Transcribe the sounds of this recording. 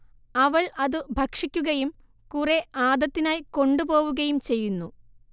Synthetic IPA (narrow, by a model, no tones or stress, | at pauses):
ɐʋɐɭɐðɨbʱɐkʂikʲːuɣɐjum | kuːreʔaːd̪ɐt̪ːinaːjko̞ɳɖupo̞ːʋuɣɐjumt͡ɕe̞jːunːu